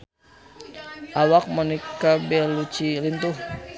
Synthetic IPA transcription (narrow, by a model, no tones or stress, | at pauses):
ʔawak̚mɔnikabɛlut͡ʃilint̪uh